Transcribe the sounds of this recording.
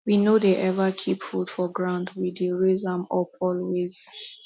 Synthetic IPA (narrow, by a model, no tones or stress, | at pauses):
winodeʔɛvakʰipfudfɔɡɹãʊ̃ndwideɹezãmɔpʰɔlwez̥